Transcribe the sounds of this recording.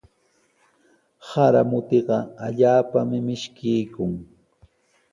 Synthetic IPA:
haɾa̰mʊt̪eɢɑaʎaːpamɪmɪʃkɪjkʊŋ

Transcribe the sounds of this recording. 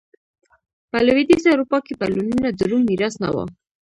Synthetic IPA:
pɛlɛvid̪isɛɾupɑkʰipaluninad͡zəɾumiɾɑsnɑ̰wɑ̰

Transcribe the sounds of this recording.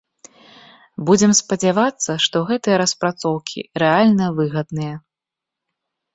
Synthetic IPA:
bud͡zʲɛmspɐd͡zʲavat̪sːɐʂt̪ɔɣɛt̪ɨjɐɾɐspɾat̪sɔwkʲʰḭɾɛalʲnɐvɨɣɐd̪nɨjɐ

